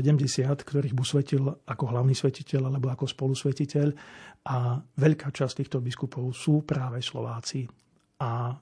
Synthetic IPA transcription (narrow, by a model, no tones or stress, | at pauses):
ɛɟɛmɟɛsɪat̪kt̪ɔɾiːɣbusʋɛcilakɔɦlaʊniːsʋɛcicɛʎalɛbɔakɔspɔlusʋɛcicʰɛʎʔaʋɛʎkaːt͡ʃast̪iːxt̪ɔbiskupʰɔʊsuːpɾaːʋɛslɔ̰ʋaːt͡si | a